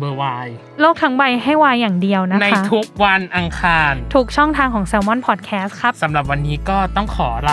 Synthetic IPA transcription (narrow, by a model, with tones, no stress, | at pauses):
bɤː˧waː˧j | loː˥˩k̚t̪ʰa˦˥ŋwa˧jɦa˥˩jwaː˧jːaː˨˩ŋdi˧əwna˦˥na˥˧a˥t̪ʰu˦˥k̚wa˧nʔa˧ŋkʰaː˧nt̪ʰuː˦˥k̚t͡ɕʰɔ˥˩ŋt̪ʰaː˧ŋkʰɔː˩˦ŋseː˧wmɔ˥˩npʰɔː˨˩t̪̚kʰɛː˦˥st̪̚kʰɾa˦˥p̚sa˩˦mɾa˨˩p̬̚wa˧nːiː˦˥kɔː˥˩t̪ɔ˥˩ŋkʰɔː˩˦ɾa˧